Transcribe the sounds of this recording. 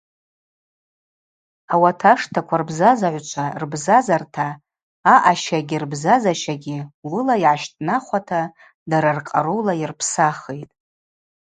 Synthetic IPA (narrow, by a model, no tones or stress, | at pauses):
awatʰaʂtʰakʷʰarbzazaʕʷt͡ʃʷʰarbzazartʰaː | ʔaʃaɡʲirbzazaʃaɡʲilʊlaiʕaʃtʼnaχʷatʰa | daɾarqʼa̰ɾuwlairpʰsaχejtʼ